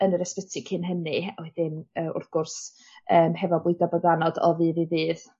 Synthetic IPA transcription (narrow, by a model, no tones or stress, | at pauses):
ənəɾəspətʰɪkʰɪnɦənɨawɛdɪnəːʊ̰rθɡ̥ʊrs | əːmɦɛvɔbʊɨdabəɡanɔdɔ̰vɨːðivɨːð